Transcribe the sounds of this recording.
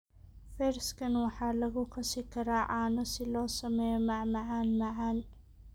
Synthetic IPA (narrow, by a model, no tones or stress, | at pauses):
fɛɾskʰɐnwɑħɑːlɐɣʊkʰɐsɪkʰɐɾaːʕaːnɔsɪlɔːsɐmɛjɔmɐʕmɑʕaːnmɐʕaːn